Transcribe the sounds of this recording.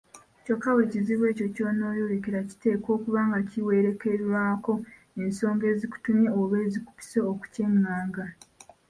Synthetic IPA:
cokːaweciziβwe̞ːco̞cono̞ːjoɾekeɾaci̥te̞ːko̞ːkuβaːŋɡaciwe̞ɾe̞ke̞ɾwaːko̞ | e̞nso̞ːŋɡe̞ːziku̥tumje̞oβweːziku̥pi̥seoku̥ceŋːaːŋɡa

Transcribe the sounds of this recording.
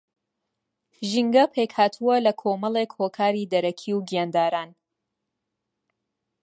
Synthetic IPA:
ʒiŋɡɐpʰeːkhaːt̪ʰuwɐlɐkʰomɐlˠekhoːkʰaːɾid̪ɐɾɐkʰiwɡijaːnd̪aːɾaːn

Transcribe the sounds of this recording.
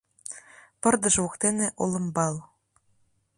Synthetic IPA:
pɤ̆rd̪ɤ̆ʒukt̪eneʔolɤ̆mbɑl

